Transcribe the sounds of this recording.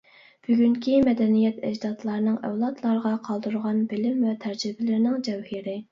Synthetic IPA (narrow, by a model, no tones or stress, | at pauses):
b̥yɡʲyŋkʲʰimɛd̪ɛnijɛt̪ʰɛd͡ʒd̪ɑt̪lˠɑɾnɨŋæ̰wlˠɑt̪lˠɑɾʁɑqʰɑlˠd̪uɾʁɑnbɪlɪmwɛt̪ʰæɾd͡ʒibɪlɪɾnɪŋd͡ʒɛwhiɾɪ